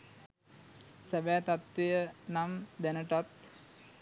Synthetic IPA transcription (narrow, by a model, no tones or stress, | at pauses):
sɛʋæːt̪at̪ːejənamd̪ænəʈat̪̚